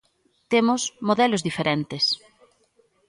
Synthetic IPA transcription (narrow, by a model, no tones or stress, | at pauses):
t̪emʊsmoðɛlozðifeɾent̪ɪs